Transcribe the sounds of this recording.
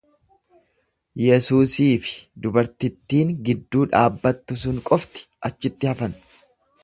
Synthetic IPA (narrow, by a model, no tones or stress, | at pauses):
jɛsuːsiːfɪ̥d̪ʊbɐɾt̪ɪt̪ːiːŋɡɪd̪ːuːᶑaːbːɐt̪ːʊs̬ʊŋkʼɔft̪ɪ̥ʔɐt͡ʃːɪt̪ːɪhɐfɐn